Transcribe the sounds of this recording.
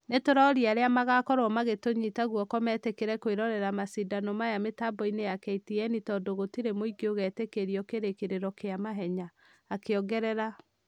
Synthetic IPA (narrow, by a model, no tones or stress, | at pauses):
netoɾɔɾiaɾeamaɣakɔɾɔmaɣetoɲitaɣwɔkɔmɛtekeɾɛkoeɾɔɾɛɾamasidanɔmajametabɔinejakɛitiɛnitɔdoɣotiɾemoiɡeoɣɛtekeɾiɔkeɾekeɾeɾɔkeamaɦɛɲaː | keɔɡɛɾɛɾa